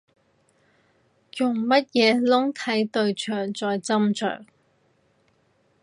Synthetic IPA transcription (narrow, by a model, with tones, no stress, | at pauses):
jʊ˨˩ŋmɐ˥t̚jɛː˨˧lʊ˥ŋt̪ʰɐ˨˥jt̪ɵ˨˧ɥt͡ʃʰœː˨˩ŋt͡sɔː˨jt͡sɐ˥mt͡ʃʰœ̰ː˨˩ŋ